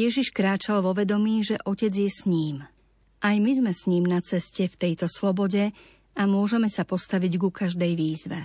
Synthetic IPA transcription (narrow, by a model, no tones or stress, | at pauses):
jɛʒiʃkɾaːt͡ʃalʋɔʋɛd̪ɔmiːʒɛʔɔcɛd͡zjɛsɲiːm | ʔajmizmɛsɲiːmnat͡sɛscɛft̪ɛjt̪ɔslɔbɔɟɛ | amʊɔʒɛmɛsapɔst̪aʋiɟɡukaʒd̪ɛjʋiːzʋɛ̰